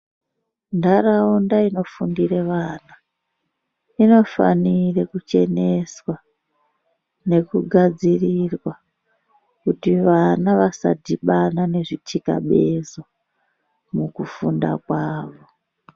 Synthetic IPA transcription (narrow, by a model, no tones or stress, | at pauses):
ndaraundaino̞fundire̞ʋaːna | ino̞fa̰nirekut͡ʃe̞ne̞swa | ne̞kuɡʱad͡zirirwa | kutiʋanaʋasa̰dʱiɓanane̞ʐitʰika̰ɓe̞zo | mukufunda̰kwaːʋo̞